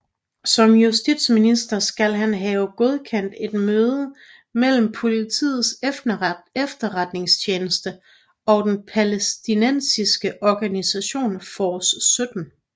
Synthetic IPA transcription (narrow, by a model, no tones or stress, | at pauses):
sɒ̽mjusd̥id̥sminisd̥ɐsɡ̥ælɦænɦɛːʊɡ̥o̝ð̞ˠkʰen̰d̥e̝d̥møːðˠə | mel̰m̩pʰo̝lit͡sʰḭːð̞̩ˠseefd̥ɐʁad̥ne̝ŋst͡ɕʰeːnəsd̥ə | ɒ̽d̥enpʰælesd̥inen̰sisɡ̥əʔɒɡ̥ænisæɕo̝̰ːnfɒːsːød̥n̩